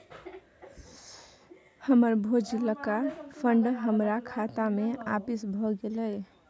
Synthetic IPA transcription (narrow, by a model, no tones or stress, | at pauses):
həməɾbʱod͡ʒiləkapʰəɳɖɦəmɾakʰat̪ameapisbʱɔɡeləj